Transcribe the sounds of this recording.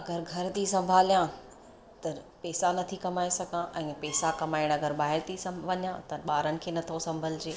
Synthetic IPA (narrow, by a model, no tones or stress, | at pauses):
ɐɡəɾɡʱɐɾt̪isɐ̃mbʱaːlijã | t̪ɐpɛːsanɐt̪ʰikɐmaːesɐɡʱãʔɛ̃ːpɛːsakɐmaːɪɽ̃ɐɡəɾbaːɦɪɾt̪ʰisɐ̃ʋɐɲjãt̪ɐɓaːɾənɪ̆kʰeːnɐt̪ʰosɐ̃mbʱəlɪd͡ʑeː